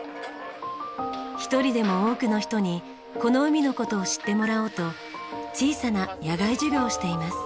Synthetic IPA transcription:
çi̥t̪o̞ɾʲid̪e̞mo̞oːkɯ̟no̞çi̥t̪o̞ɲ̟i | ko̞no̞ɯ̟mʲino̞ko̞t̪o̞ːɕi̥t̪ːe̞mo̞ɾao̞ːt̪o̞ | t͡ɕiːsanajaɡaiʑɨɡʲo̞ːɕi̥t̪e̞imasɨ̥

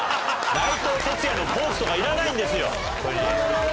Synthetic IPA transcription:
nait̪oːse̞t͡sɨjanopoːsɯ̥t̪okaiɾanaĩnd̪e̞sɨjo̞̰ | koɾ

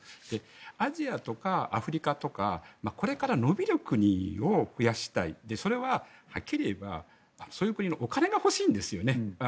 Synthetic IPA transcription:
d̪̥e̞ | aʑiat̪o̞kaa̰ɸɯ̟ɾʲikat̪o̞ka̰mako̞ɾe̞kaɾano̞bʲiɾɯ̟kɯ̟ɲ̟io̞ɸɯ̟jaɕi̥t̪aḭd̪e̞so̞ɾe̞βahakʲːiɾʲe̞ba̰ː | no̞soːjɯkɯ̟ɲ̟ino̞ʔokane̞ɡaho̞ɕiːnd̪e̞sɨjo̞ne̞

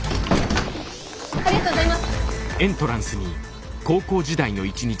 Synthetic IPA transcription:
aɾiɡat̪oɡozaimasɨ̥ẽ̞nt̪o̞ɾãɰ̃sɨɲ̟i | ko̞ːko̞ːd͡ʑid̪aino̞it͡ɕiɲ̟i

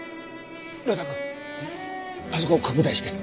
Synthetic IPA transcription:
ɾot̪akɯ | nasokoːkʰakɯ̟d̪aiɕi̥t̪e

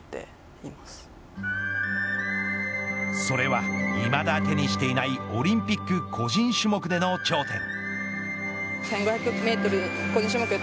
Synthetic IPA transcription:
t̪ḛ | imasɨ̥ | so̞ɾe̞βaimad̪at̪e̞ɲ̟iɕi̥t̪e̞inaio̞ɾʲĩmpʲikːɯ̟kʰo̞ʑĩɰ̃ɕɨmo̞kɯ̟d̪e̞no̞t͡ɕo̞ːt̪ẽ̞̰ŋ | sẽ̞ŋɡoçjakɯokme̞ːt̪oɾɯkoʑĩɕɯmo̞kɯe

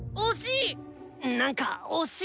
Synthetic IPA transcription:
oɕĩ | nãŋka̰oɕi

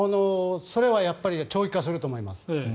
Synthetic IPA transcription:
anoso̞ɾe̞βajapːaɾʲit͡ɕo̞ːikːas̬ɨɾɯ̟t̪o̞ːmo̞ima̰sɨ̥

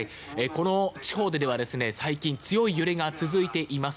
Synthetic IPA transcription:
i | eko̞no̞t͡ɕi̥ho̞ːd̪e̞d̪e̞β̞ad̪e̞sɨne̞saikʲĩnt͡sɨjo̞ijɯ̟ɾe̞ɡat͡sɨzɨit̪e̞ʔimas

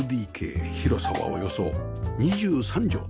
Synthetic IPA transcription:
d̪iːkʰe̞̰ːçiɾo̞saβa̰o̞̰jo̞so̞ | ɲ̟iʑɨːsãɲd͡ʑo̰ː

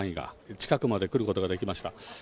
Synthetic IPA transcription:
ĩɡa̰t͡ɕi̥kakɯ̟mad̪e̞kɯ̟ɾɯ̟ko̞t̪o̞ɡad̪e̞kʲimaɕi̥t̪a

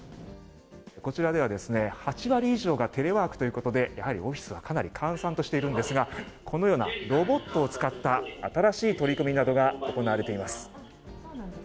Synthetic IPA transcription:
ko̞t͡ɕiɾad̪e̞βad̪e̞sɨne̞hat͡ɕiβaɾʲiːʑo̞ːɡat̪e̞ɾe̞βaːkɯ̟̥t̪ojɯ̟ːko̞t̪o̞d̪e̞jahaɾʲḭo̞ɸʲi̥sɨβakʰanaɾʲikʰãɰ̃sãnt̪o̞ɕi̥t̪e̞iɾɯ̟̃nd̪e̞sɨɡa | kʰo̞no̞jo̞ːna̰ɾo̞bo̞t̪ːo̞ːt͡sɨ̥kat̪ːaːt̪aɾaɕiːt̪o̞ɾʲikɯ̟mʲinad̪o̞ɡao̞ko̞naβaɾe̞t̪e̞imasɨ̥

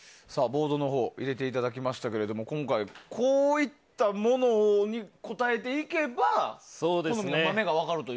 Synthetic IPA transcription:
saːbo̞ːd̪o̞no̞ɦo̞ːʔiɾe̞t̪e̞it̪ad̪akʲimaɕi̥t̪ake̞ɾe̞d̪o̞mo̞kõŋkaikʰo̞ːit̪ːamo̞no̞ɲ̟iko̞t̪ae̞t̪̬e̞ike̞baso̞ːd̪esnomemame̞ɡaβ̞akaɾɯ̟t̪o

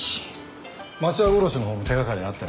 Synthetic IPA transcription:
mat͡ɕiaboɾoɕinoɦoːmot̪ʰeɡakaɾʲeat̪ːe

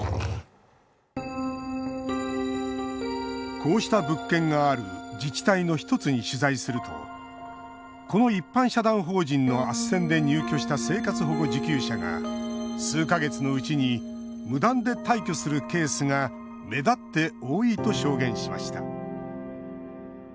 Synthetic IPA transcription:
kʰo̞ːɕi̥t̪abɯ̟kːẽ̞ŋɡaːɾɯ̟̰d͡ʑit͡ɕi̥t̪aino̞çi̥t̪o̞t͡sɨɲ̟iɕɨzaisɨɾɯ̟t̪o̞̰ | ko̞no̞ipːãɰ̃ɕad̪ãɰ̃ɦo̞ːʑĩnːo̞asẽ̞nd̪e̞ɲɨːkʲo̞ɕi̥t̪ase̞ːkat͡sɨɦo̞ɡo̞d͡ʑikʲɨːɕaɡa̰sɨːkaɡe̞t͡sɨno̞ɯ̟t͡ɕiɲi | mɯ̟d̪ãnd̪e̞t̪aikʲo̞sɨɾɯ̟ke̞ːsɨŋa | me̞d̪at̪ːe̞o̞ːiːt̪o̞ɕo̞ːɡẽ̞ɰ̃ɕima̰ɕi̥t̪a̰

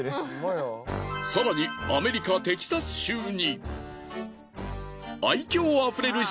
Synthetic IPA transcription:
saɾaɲ̟iame̞ɾʲikat̪e̞kʲi̥sasɨ̥ɕɨːɲ̟i | aikʲo̞ːaɸɯ̟ɾe̞ɾɯ̟

